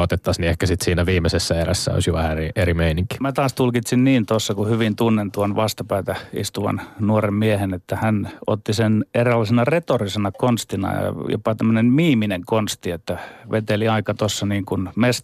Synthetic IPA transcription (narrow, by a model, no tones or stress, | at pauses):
ot̪et̪ːɑsniehkæsit̪siːnæʋiːmːesesːæeɾæsːæ̰o̰sjoʋæhæeriʔeɾimeiniŋki̥mæt̪ɑːst̪ulkit̪sinniːnt̪osːɑkuhyʋint̪unːent̪uonʋɑst̪ɑpæːt̪æḭst̪uʋɑ̰nnuoremmiehenet̪ːæhæno̰t̪ːisenerelːɑsenɑret̪orisenɑkonst̪inɑ̰jɑ̰jo̰pɑt̪æmːønemmiːmineŋkonst̪iet̪ːæʋʔet̪eliɑikɑt̪osːɑniːŋkunmes